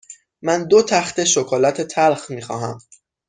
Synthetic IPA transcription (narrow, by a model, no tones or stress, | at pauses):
mænd̪ot̪ʰæxt̪e̞ʃokʰɒːlæt̪ʰet̪ʰælxmiːxɒːɦæm